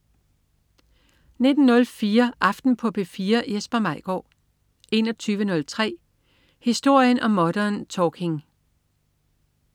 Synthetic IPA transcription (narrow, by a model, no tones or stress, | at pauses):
ne̝d̥n̩nɔ̽lfiːɐʔɑ̈fd̥n̩pʰɒ̽b̥e̝fiːɐjesb̥ɐmɑ̈ɪ̰ɡ̥ɒ̰ː | ʔe̝nɒ̽t͡sʰyːʋənɔ̽lt͡sʰʁɛ̰ː | hisd̥o̝ɐ̰jənʔɒ̽mːɒ̽ɾ̥ɐnt͡sʰɒːkʰe̝ŋ